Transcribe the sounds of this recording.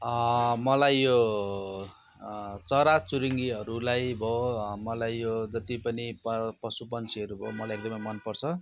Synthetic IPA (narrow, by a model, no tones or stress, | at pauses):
ʌmʌlajjo | t͡sʌɾat͡suɾiŋɡiɦʌɾulajbʱomʌlajjod͡zʌt̪ipʌnipʌpʌsupʌnt͡sʰiɦʌɾubʱomʌlajek̚d̪ʌmʌjmʌnpʌrt͡sʰʌ